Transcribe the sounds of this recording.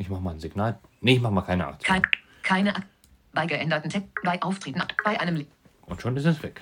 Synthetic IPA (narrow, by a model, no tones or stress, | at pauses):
ɪçmaχəmanzɪɡnaːlnɪçmaχəmaːkʰaɪnəʔa̰ktkʰaɪ | kʰaɪnəʔak | b̥aɪɡəʔɛndɐtn̩tʰɛbaɪʔaʊftʁ̥eːtn̩b̥aɪʔaɪnəml | ʔʊntʃoːnɪstɛsv̥ɛk